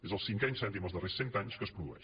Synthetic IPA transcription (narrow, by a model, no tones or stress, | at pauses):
ezəlˠsĩŋkɛjnsɛ̃nt̪imozðəresent̪aɲuʃkəspɾuðuɛ̰ʃ